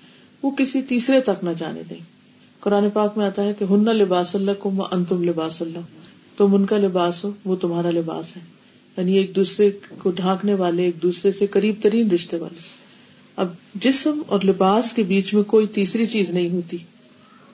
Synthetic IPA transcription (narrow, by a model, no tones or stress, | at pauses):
ʋokɪsit̪iːsɾet̪ɐknɐd͡ʒa̰ːnḛd̪ḛ̃ː | kʊɾaːnepaːkmẽaːt̪aɦɛkeɦʊnːalɪbaːsɐlːakʊmːa̰ʔɐ̃nt̪ʊmlɪbaːsɐlːa | t̪ʊmʊnkalɪbaːsɦoːʋot̪ʊmɦaːɾalɪba̰ːsɦɛː | jaːnieːk̚d̪uːsɾekoɖʱãːkneʋaːleeːk̚d̪uːsɾesekɐɾiːb̚t̪ɐɾiːnɾɪʃt̪eʋa̰ːle | ɐb̚d͡ʒɪsmɔ̰ːɾlɪbaːskebiːt͡ʃmẽkoːit̪iːsɾit͡ʃiːznɐɦĩɦoːt̪iː